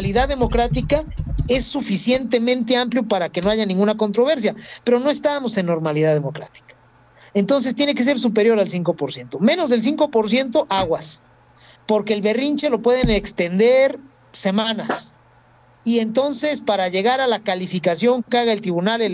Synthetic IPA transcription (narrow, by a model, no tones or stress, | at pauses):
liðaððemo̞kɾat̪ikae̞sːufisje̞nt̪e̞mẽ̞nt̪e̞ampljo̞paɾake̞no̞aʝanĩŋɡunako̞nt̪ɾo̞β̞e̞ɾs̬jape̞ɾo̞no̞e̞st̪amo̞se̞nːo̞ɾmaliðaðemo̞kɾat̪i̥kḁ | e̞nt̪o̞ns̬est̪je̞ne̞ke̞s̬e̞ɾs̬upe̞ɾjo̞ɾalsiŋko̞po̞ɾsje̞nt̪o̞mẽ̞no̞zðe̞ls̬iŋko̞po̞ɾs̬je̞nt̪o̞ʔaɣwas | po̞ɾke̞ːlβe̞rint͡ʃe̞lo̞pwe̞ðe̞nekst̪e̞nd̪e̞ɾ | semãnas | ie̞nt̪o̞nse̞spaɾaʝe̞ɣaɾalakalifikasjo̞ŋkaɣaelt̪ɾiβ̞unale